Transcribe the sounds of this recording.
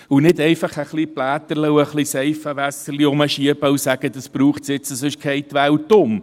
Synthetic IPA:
ʊnɪdɛɪfɑχəχliplæːt̪əɾləʊəχliseɪfəvæsəliʊməʃiəbəʊsæɡ̥əd̥̪əsb̥ɾuːχtsjɪt͡səsɪʃkʰeɪtʋæwtʊm

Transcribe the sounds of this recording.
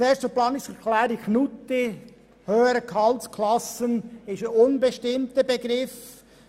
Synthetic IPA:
eːstəplɑːnɪstəkʰlæːɾɪxnut̪i | høːəɾəkʰɑlskʰlɑsənɪʃəʊnbəʃtɪmtəbeɡɾɪf

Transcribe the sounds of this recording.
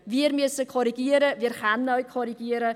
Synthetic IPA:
viərmyəsəkʰoɾiɡiəɾəviːərχanɔɥkʰoɾiɡiəɾə

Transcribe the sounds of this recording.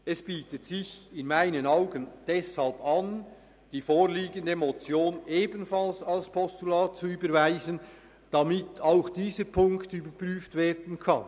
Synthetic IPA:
ɛsb̥iːtətsɪçɪnmaɪnənaʊɡənd̥ɛshalpan | d̥iːfoːɾliːɡəndəmot͡sjoːnʔeːbənfalsalspʰɔstulaːt̚t͡suyːbəɾvaɪzən | d̥amɪtʰaʊxd̥iːzəɾpʰʊŋktyːbəpryːftv̥eːɾdən̩kʰa̰n

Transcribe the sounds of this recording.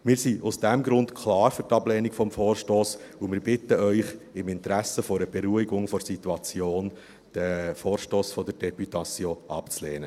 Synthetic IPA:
mɪːɾsiʔʊsd̥æmɡɾʊntkʰlɑːɾfʏɾtɑblɛːnikfɔmfɔːɾʃtoːs | ʊmɪːɾbɪtəœʏχɪmɪntɾæsəfɔɾəb̥ɛɾuiɡʊŋfɔɾsituɑt͡sjoːn | d̥əfoːɾʃtoːsfɔdəɾd̥ɛpytɑt͡sjoːʔɑpt͡sleːnə

